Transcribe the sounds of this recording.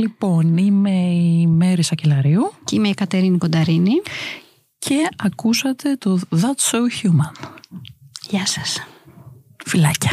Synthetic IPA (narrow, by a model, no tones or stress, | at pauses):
lipo̞nime̞ime̞ɾisɐcelɐɾiucimeikɐt̪e̞ɾinipo̞nd̪ɐɾini | cʰe̞ɐkusɐt̪e̞t̪oðɐt̪sowçumɐn | ʝɐsɐ̥s | filɐcɐ̥